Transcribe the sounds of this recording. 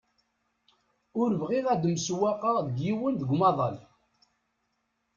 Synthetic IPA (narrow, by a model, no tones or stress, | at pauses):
ʊɾəvʁiʁæd̪mswæqɑðəɡjiwənðəɡʷmɑðˤɑl